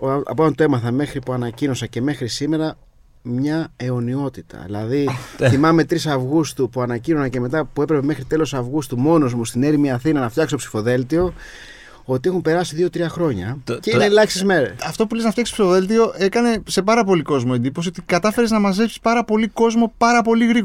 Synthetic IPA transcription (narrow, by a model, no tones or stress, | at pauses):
ɐ̰poɐnt̪e̞mɐθɐme̞xɾipuɐnɐcino̞sɐce̞me̞xɾisime̞ɾɐ | mɲɐe̞o̞nio̞t̪it̪ɐ̰ðḭlɐ̰ðiθimɐme̞t̪ɾisɐvɣust̪upuɐnɐcino̞sɐce̞me̞t̪ɐpue̞pɾepe̞mexɾit̪e̞lo̞sɐvɣust̪umo̞no̞zmust̪ine̞ɾimiɐθinɐnɐft̪çɐkst̪opsi̥fo̞ðe̞lt̪io̞ | o̞t̪ie̞xumpe̞ɾɐsiðio̞t̪ɾiɐxɾo̞ɲɐ̰ceinelɐksizmeɾɐft̪o̞puleznɐftçɐksto̥sifoðe̞lt̪̬io̞ʔe̞kɐne̞se̞p̬ɐɾɐpo̞liko̞zmoe̞nd̪ipo̞siot̪ikɐt̪ɐfe̞ɾeznɐmɐzepsi̥spɐɾɐpo̞liko̞zmo̞pɐɾɐpo̞liɣɾi